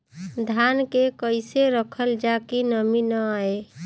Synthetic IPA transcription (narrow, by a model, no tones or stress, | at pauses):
d̪ʱankekəɪseɾəkʰəld͡ʒakinəminəae